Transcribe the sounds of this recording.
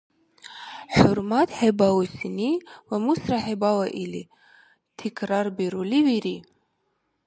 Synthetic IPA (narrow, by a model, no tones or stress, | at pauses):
ħʊɾmatʰħebawusiniwamusraħebawaʔili | tʰikʰrarbiɾuliwiɾi